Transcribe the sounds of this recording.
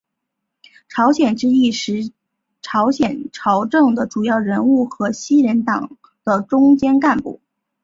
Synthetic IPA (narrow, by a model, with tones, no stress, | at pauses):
ʈ͡ʂʰɑ˧˥ʊɕjɛ˨˩nʈ͡ʂɻ̩˥i˥˩ʂɻ̩˧˥ | ʈ͡ʂʰɑ˧˥ʊɕjɛ˨˩nʈ͡ʂʰɑ˧˥ʊʈ͡ʂɤ˥˩ŋd̪ə˩ʈ͡ʂu˨˩jɑ˥˩ʊɻə˧˥nu˥˩xɤ˧˥ɕi˥ɻɛ˧˥nt̪ɑ˨˩ŋ | d̪̥ə˧ʈ͡ʂʊ˥ŋt͡ɕjɛ˥nka˥˧npṵ˥˩